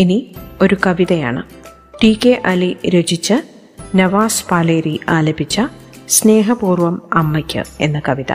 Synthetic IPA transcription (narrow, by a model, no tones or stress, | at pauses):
inio̞ɾukɐʋiðɐja̰ːɳɨ | ʈiːkːeʔɐliɾod͡ʑit͡ɕːɨ | nɐʋaːspaːleːɾiʔaːlɐbit͡ɕːɐ | sne̞ːɦɐbuːrʋɐmɐmːɐkʲːɨ̰e̞̰nːɨkɐʋiðɐ̰